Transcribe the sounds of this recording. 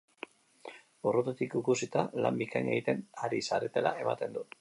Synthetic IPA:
urot̪ot̪ikikusit̪ala̰mbikajɲeɣit̪e̞naɾisaɾe̞t̪e̞la̰e̞ma̰t̪e̞nd̪u

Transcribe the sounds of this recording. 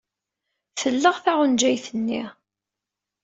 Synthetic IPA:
θəlːəʁθaʁʊnd͡ʒæjθənːḭ

